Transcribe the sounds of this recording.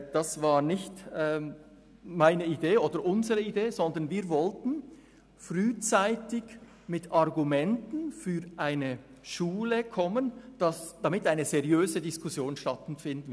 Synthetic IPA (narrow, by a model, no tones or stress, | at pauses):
d̥asv̥aːʁnɪçtɛː | maɪnəideːʔoːdəɾʔʊnzəʁəideːzɔndənviːvɔltn̩ | fʁyːt͡saɪtɪɡ | mɪtɑʁɡumɛntn̩fyːɾʔaɪnə | ʃuːləkʰɔmənd̥asd̥amɪtaɪnəzɛʁijøːzədɪskusjoːnʃtatnfɪndn̩